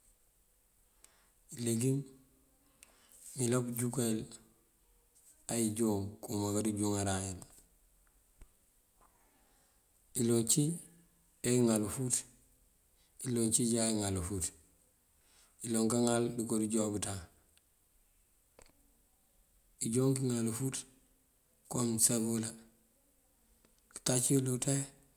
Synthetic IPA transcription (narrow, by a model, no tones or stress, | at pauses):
ileɡiŋ | milopɟukail | ajiɟoːŋkumakadiɟuŋaɾajal | ilot͡ʃi | ejŋalfut | iloːɲt͡ʃiɟaiŋalufut | iloːŋkaŋaldikodiɟoːbita | iɟoːŋkiŋalufut | komsabula | ki̥tat͡ʃiluta